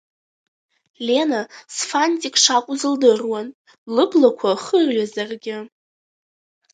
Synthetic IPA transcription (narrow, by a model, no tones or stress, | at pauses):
le̞nasfantʼikʼʂakʷʼʊzɨldɨrwan | lɨblakʷʰaχərɥazarɡʲɪ